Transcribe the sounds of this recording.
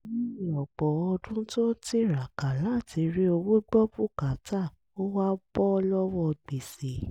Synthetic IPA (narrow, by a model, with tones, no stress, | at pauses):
nĩ˦ĩ˨ɔ˨k͡pɔ˨ɔ˧dũ˦to˦ti˦ɾa˨ka˨la˦˨ti˨˧˦ɾi˦o˧wo˦ɡ͡bɔ˦bu˦ka˨˦ta˦˨ | o˦wa˦b̥ɔ˦ɔ˧lɔ˦wɔ˧˨ɡ͡be˨se˨˦